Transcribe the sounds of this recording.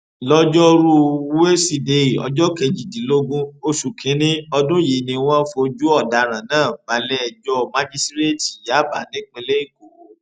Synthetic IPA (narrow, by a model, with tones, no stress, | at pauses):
lɔ˦d͡ʒɔ˦ɾu˦˧˦e˦si˨de˧i˨ɔ̰˧d͡ʒɔ˦kɛ˧d͡ʒi˨di˨˦lo˦ɡũ˦o˧ʃu˨kʰĩ˨˦nĩ˦ɔ˧dũ˦ji˨nĩ˧w̃ɔ̃˦fo˧d͡ʒu˦ɔ˦˨da˨˦ɾ̃ã˨nãː˦˨ba˨˦lɛ˦ɛ˧d͡ʒɔ˦˧mã˦d͡ʒi˦stɾe˦ti˨ja˨˦˨ba̰˨nĩ˦k͡pẽ˧le˦i˦˨ɡo˨˦˨